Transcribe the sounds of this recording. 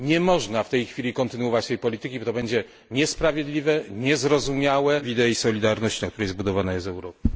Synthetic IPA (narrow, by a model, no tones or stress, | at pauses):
ɲɛmɔʐnaft̪ɛjxfʲilʲikɔnt̪ɘnuwɔvat͡ɕt̪ɛjpɔlʲit̪ɘkʲibɔt̪ɔbɛɲd͡ʑɛ | ɲɛspɾavʲjed̪lʲivɛɲɛzɾɔzumʲjawɛvʲid̪ɛisɔlʲid̪aɾnɔɕt͡ɕinakt̪uɾɛjɛzbud̪ɔvanajɛzɛwɾɔpɘ